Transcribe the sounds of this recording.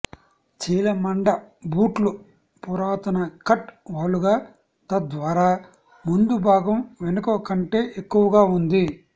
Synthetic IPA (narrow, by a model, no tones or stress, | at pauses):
t͡ʃiːlɐmɐɳɖɐbuːʈlu | puɾaːt̪ɐnɐkɐʈʋaːluɡaː | t̪ɐd̪ʋaːɾaː | mund̪ubʱaːɡɐmʋenɐkoːɐkɐɳʈe̞ːʔekːuʋɐɡaːund̪i